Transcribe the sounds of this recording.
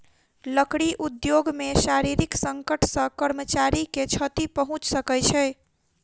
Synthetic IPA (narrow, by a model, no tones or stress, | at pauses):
ləkɽiʔud̪joɡmeʃaɾiɾiksəŋkəʈʰsə̃kəɾmət͡ʃaɾiket͡ʃʰət̪ipəɦũt͡ʃsəkɛjt͡ʃʰɛ